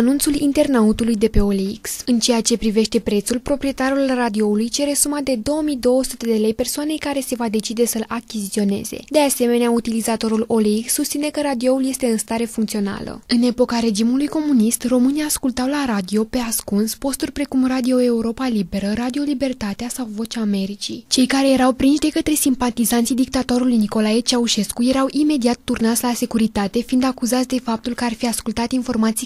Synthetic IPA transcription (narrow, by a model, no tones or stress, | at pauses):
anunt̪sulint̪e̞rnaut̪ulujd̪e̞pe̞o̞leḭksɨnt͡ʃe̞jat͡ʃe̞pɾive̞ʃt̪e̞pɾe̞t̪sulpɾo̞pɾie̞t̪aɾulrad̪io̞ulujt͡ʃe̞ɾe̞sumad̪e̞d̪o̞wəmijd̪o̞wəsut̪e̞d̪e̞le̞jpe̞rsoane̞jkaɾe̞se̞vad̪e̞t͡ʃid̪e̞səɨlakʲizit̪sio̞ne̞̰ze̞̰d̪e̞ase̞me̞neaut̪ilizat̪o̞ɾulo̞leiksːust̪sinekəɾad̪io̞ulje̞st̪e̞ɨnst̪aɾe̞fuŋkt̪sio̞na̰lə̰ɨne̞po̞kaɾe̞d͡ʒimulujko̞munist̪ro̞mɨnijaːskult̪awlaɾad̪io̞pe̞askunspo̞st̪urʲpɾe̞kumrad̪io̞e̞uɾo̞palibe̞ɾəɾad̪io̞libe̞rt̪at̪easawvo̞t͡ʃaːme̞ɾit͡ʃit͡ʃe̞jkaɾe̞je̞ɾawpɾinʃd̪e̞kət̪ɾe̞simpat̪izant̪sijd̪ik̚t̪at̪o̞ɾulujniko̞laje̞t͡ʃauʃe̞skuje̞ɾawʔime̞d̪iat̪ːurnat̪sʲlase̞kuɾit̪at̪e̞find̪akuzat̪sʲd̪e̞fap̚t̪ulkəarfiaskult̪at̪info̞rmat̪si